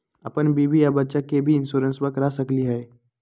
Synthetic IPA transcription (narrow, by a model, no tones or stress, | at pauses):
ɐpənbiːbijabətːʃakebʱiɪnsuːɾənswəkɾasəkliɦɛː